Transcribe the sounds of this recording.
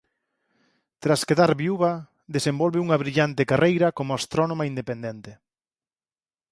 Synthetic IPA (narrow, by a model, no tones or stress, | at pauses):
t̪ɾaskeðaɾβiuβɐ | ðesembɔlβɪuŋɐβɾiʎant̪ɪekarʔejɾɐkomʊast̪ɾɔnõmaind̪epend̪ent̪ɪ